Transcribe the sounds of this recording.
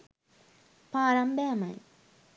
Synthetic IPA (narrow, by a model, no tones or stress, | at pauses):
paːɾɐmbɛːmɐ̰j